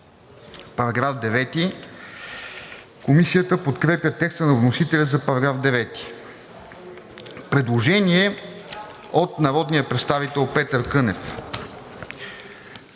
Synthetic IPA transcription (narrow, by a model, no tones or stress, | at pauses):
pɐɾɐɡɾafd̪ɛvɛt̪i | komisijət̪əpot̪kɾɛpjʲət̪ɛkst̪ənɐvnosit̪ɛlʲəzɐpɐɾɐɡɾafd̪ɛvɛt̪i̥ | pɾɛd̪lˠoʒɛniɛ | ot̪nɐɾɔd̪nijəpɾɛt̪st̪avit̪ɛlˠpɛt̪əɾkɤnɛf